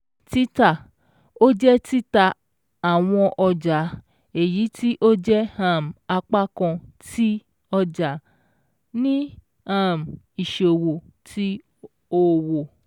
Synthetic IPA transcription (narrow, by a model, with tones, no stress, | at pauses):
ti˦ta˦˨ | o˦d͡ʒɛ˦ti˦ta˧ | a˨w̃ɔ̃˧ʔɔ˧d͡ʒa˨˦ | e˨ji˨˦tʰi˦ʔo˦d͡ʒɛ˦ã˦˨m˨a˧k͡pa˦kɔ̃˧ti˦ | ɔ˧d͡ʒa˨ | nĩ˦ | ã˦˨m̩˨ | i˨ʃe˨o˨wo˨ | tʰi˦ | o˦wo˨